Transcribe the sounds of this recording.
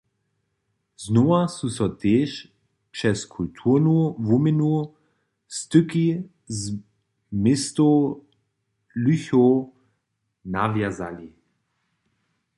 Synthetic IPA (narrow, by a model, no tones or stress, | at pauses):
znɔasusɔt̪eːʃ | pʂɛskʰult̪ʰunuvumɪnu | st̪ʏki | z | mɪst̪o | lyço | navjaza̰li